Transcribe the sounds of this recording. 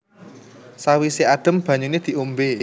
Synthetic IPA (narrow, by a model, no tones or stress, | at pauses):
sawisead̪̥ə̤mb̥ä̤ɲuned̪̥i̤ʔumbe